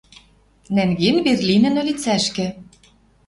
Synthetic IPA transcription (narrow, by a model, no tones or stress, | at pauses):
næŋɣenberlʲinɘ̆nø̆lʲit͡sæʃkɘ̆